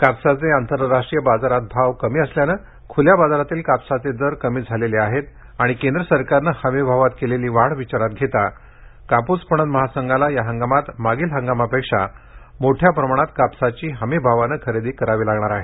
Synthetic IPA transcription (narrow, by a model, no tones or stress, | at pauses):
kapsat͡seant̪əɾːasʂʈɾijəbad͡zaɾat̪̚bʱaʋkəmiːəsljanə | kʰuljabad͡zaɾat̪iːlkapsat͡sed̪əɾkəmiːd͡zʱaleliaɦet̪ | aɽ̃ikend̪ɾəsəɾkaɾnəhəmibʱaʋat̪keleliːʋaɽʋit͡ɕaɾat̪̚ɡʱet̪a | kaput͡spəɳ̃ənd̪məɦasəŋɡalajaɦəŋɡamat̪maɡiːlɦəŋɡamapekʂamoʈʰjapɾəmaɽ̃at̪kapsat͡ɕiːɦəmibʱaʋanəkʰəɾed̪iːkəɾaʋiːlaɡɳaɾaɦe